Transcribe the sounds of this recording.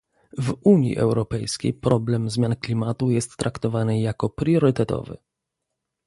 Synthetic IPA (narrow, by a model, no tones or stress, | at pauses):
vuɲjḭʔɛ̰wɾɔpɛjskʲḛjpɾɔblɛmzmʲjanklʲimat̪ujɛst̪ːɾʔakt̪ɔvanɘjakɔpɾjɔɾɘt̪ɛt̪ɔ̰vɘ̰